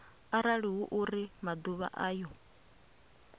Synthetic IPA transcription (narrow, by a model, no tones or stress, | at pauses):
aɾaɺiɦuʔuɾimad̪uβa̰ʔaːjɔ